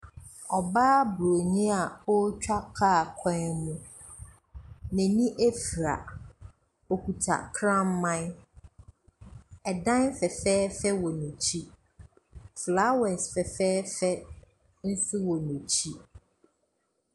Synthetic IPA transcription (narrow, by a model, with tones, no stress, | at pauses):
ɔ˨baː˦bɾo˨ɲĩ˦a˨ɔ˦t͡ɕᶣa˦kʰaː˦˨kʰã˦˨mʊ̃˨˦ | nɛ̃˨nĩ˦ʔe˦fɾa̰˨ | ɔ˨kʰu˨tʰa̰˨kʰɾã˦m̩˦mã˦n | ɛ˨dã˦nfɛ˨fɛː˦fɛ˦wɔ˨nũ˨t͡ɕʰi˦ | fla˦wɛ̃˨sfɛ˨fɛː˦fɛ˦ | n̩˦sʊ˦wɔ˨nũ˨t͡ɕʰi˦